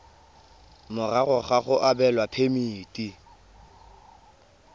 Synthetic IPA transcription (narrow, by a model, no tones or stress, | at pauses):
mʊrarʊχaχʊʔabɛlwapʰemiːtʼi